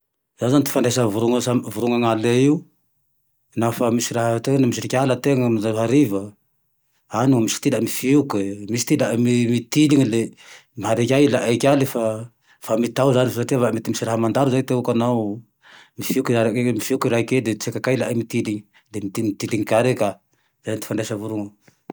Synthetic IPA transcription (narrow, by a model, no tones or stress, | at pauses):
zanzanit̪i̥fanɖ͡ʐesəvuɾuŋsavuɾuŋaŋaleiu | nafamisiɾaɦət̪enimis̬iɾikʲalət̪eŋəmiaɦaɾivə | aniamisi̥t̪ilamifiukemisi̥t̪ilaʔmimit̪iliɲilemiɦaɾekʲajlaʔekʲalefa | famit̪awzanifasaʈ͡ʂiavamet̪imisiɾaɦamand̪aɾuzat̪eukana | mifiukiaɾakemifiukiɾaiked̪et͡sekakajlaʔamit̪iliɲi | lemit̪imit̪iliŋikaɾeka | z̥aant̪i̥faɳɖ͡ʐesavuɾuŋu